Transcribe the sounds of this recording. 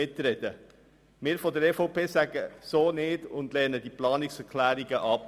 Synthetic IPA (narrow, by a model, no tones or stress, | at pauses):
ɪtɾɛd̥ə | mɪːɾfɔdəɾɛfopʰeːsæɡ̥əsoːnɪːdʊndlɛnədiplɑːniksɛɾkʰlæːɾiɡəʔɑp